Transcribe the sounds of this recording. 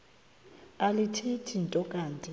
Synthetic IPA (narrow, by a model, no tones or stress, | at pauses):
alitʰitʰintʼɔkʼaːntʼi